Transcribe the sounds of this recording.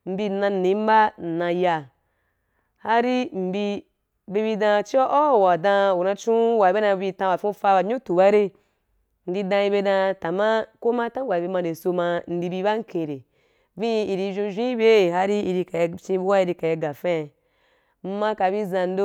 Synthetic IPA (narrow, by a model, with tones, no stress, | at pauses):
m̩˨bi˧nã˧˨ni˨˦m̩˦ba˦˨nã˧ja˧ | ha˦ɾi˦m̩˨bi˧ | be˧bi˧dã˧t͡ʃi˦ɔ˦ʔo˦˨wa˨dã˧u˨nã˧t͡ʃũ˦wa˨be˦na˧bi˧tã˧a˨fũ˦fa˧ba˨ɲu˦tu˨ba˦ɾe˧ | n̩˦di˧dã˧i˧be˧dã˧ta˨ma˦ko˦ma˦ta˦ɡʷa˨bi˧mã˧˨de˨so˧ma˧n̩˦di˧bi˧ba˦ŋ̩˦kʰẽ˧˨ɾe˨ | vĩ˦˧i˨ɾi˧ʒũ˧ʒʷĩ˦i˦be˦˨ɦa˦ɾi˦i˧ɾi˧ka˨jt͡ʃĩ˧bu˧˦wa˦i˧ɾi˧ka˨ja˧ɡa˨fẽ˦˨ | m̩˦mã˧ka˨bi˦zã˧n̩˦do˦